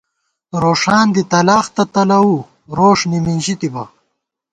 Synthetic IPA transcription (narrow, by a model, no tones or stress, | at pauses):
ɾoːʂaːnd̪it̪ɐlaːxt̪ɐt̪ɐlɐwu | ɾoːʂniminʑit̪ibɐ